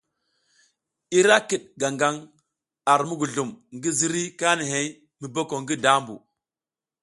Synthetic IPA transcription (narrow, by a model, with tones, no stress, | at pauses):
i˦ɾa˦ki˨ɗ̚ɡa˨ŋɡa˦ŋ | a˨ɾmu˦ɡu˨ɮu˨mŋɡi˦zi˦ɾi˦ka˦ni˨ɦe˦j | mi˨bo˦ko˨ŋɡi˦da˦mbṵ˨